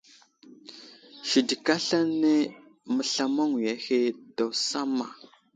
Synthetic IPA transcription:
ʃi˨di˨ka˦ɬa˦ne˦ | mə˨ɬa˦ma˦ŋi˨ja˦he˦da˨wsa˦ma˨

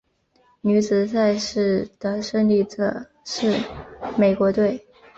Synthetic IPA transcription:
ny˧˥t͡sɹ̩˨˩sa˥˧ɪʂɻ̩˥˩d̪̥ə˩ʂə˥˧ŋli˥˩ʈ͡ʂɤə̰˨˩˦ | ʂɻ̩˥˩me˨˩ɪkwɔ˧˥t̪we˥˩ɪ

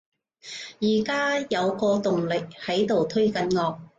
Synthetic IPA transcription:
jiː˨˩kaː˥jɐ˨˧wkɔː˧t̪ʊ˨ŋlɪ˨k̚hɐ˨˥jt̪o˨wt̪ʰɵ˥ɥkɐ˨˧nŋɔː˧k̚

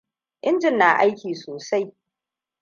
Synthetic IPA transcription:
ʔɪ˦nd͡ʒɪ˦nːaː˨ʔa˦jkʲiː˨soː˨sa˦j

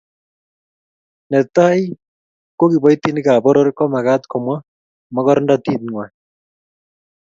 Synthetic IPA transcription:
nɛ˨t̪a˦j | ko˦ki˨bɔ˦jt̪ːi˦nɪ˦ka˨bɔ˦ɾɔ˦ɾkɔ˦ma˨ɡa˦t̪kʰɔ˨mwa˦ | ma˦kɔ˦ɾɔnda˦t̪i˦t̪ŋwa˨

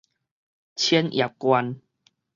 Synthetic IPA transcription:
t͡ɕʰɛ˦nja˨˩p̚kwa˧n

